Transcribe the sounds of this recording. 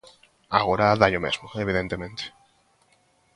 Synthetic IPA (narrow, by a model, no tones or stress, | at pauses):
aɣoɾaðaʎomḛzmoeβ̞iðent̪emẽnt̪e̥